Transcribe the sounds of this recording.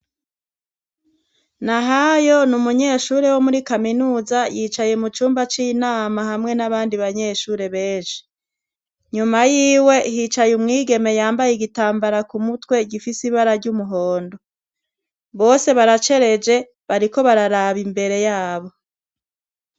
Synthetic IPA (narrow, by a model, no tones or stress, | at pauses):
naɦajo̞numuɲe̞ʃuːɾewo̞muɾikaminuːzajiːt͡ʃajemut͡ʃuːmbat͡ʃinaːmaɦamŋe̞naβaːndiβaɲe̞ʃuɾe̞βe̞ːnʃi̥ | ɲumajiːwe̞hiːt͡ʃajumŋiːɡe̞me̞jaːmbajeɡitaːmbaɾakumutwe̞ɡifisiβaɾaɾɟumuɦo̞ːndo̞ | βo̞ːse̞βaɾat͡ʃe̞ɾe̞d͡ʒe̞ | βaɾiko̞βaɾaɾaβimbe̞ɾe̞jaːβo̞